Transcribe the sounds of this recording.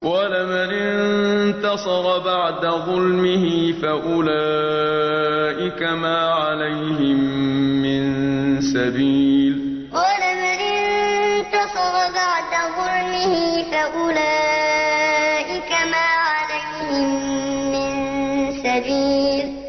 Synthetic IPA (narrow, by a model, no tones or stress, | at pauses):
qɑːlamanɪnt̪ɑsˤɑɾɑbaʕd̪aðˤʊlmɪhɪfaʔʊlaː | ʔɪkamaːʕalajhɪmːɪnsabiːl | qɑlamanɪnt̪ɑsˤɑɾˤɑbaʕd̪aðˤʊlmɪhɪfaʔʊlaː | ʔɪkamaːʕalajhɪmːɪnsabiːl